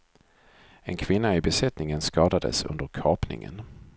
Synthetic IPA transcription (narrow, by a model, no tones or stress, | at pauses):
ɛnkʰv̥ɪnːaɪbɛsɛt̪nɪŋənskɑːd̪ad̪ə̰sɵ̰nd̪əɾkʰɑːpnɪ̰ŋə̰n